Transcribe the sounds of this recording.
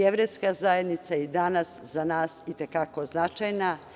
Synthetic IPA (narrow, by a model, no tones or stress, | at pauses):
eʋɾejskazaje̞d̪nit̪said̪anasz̥anaːsit̪e̞kako̞znat͡ʃajna